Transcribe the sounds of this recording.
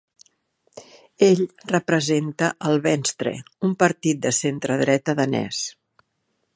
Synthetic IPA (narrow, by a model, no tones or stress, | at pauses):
eʎrəpɾəzent̪əʔəlˠβɛnst̪ɾə̰umpəɾt̪it̪̚d̪əsent̪ɾəðɾɛt̪əðənɛ̰s